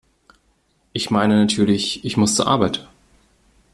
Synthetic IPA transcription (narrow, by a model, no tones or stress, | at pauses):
ʔɪçmaɪnənatʰyːɐlɪçʔɪçmʊst͡suːɐʔa̰ɐbaɪt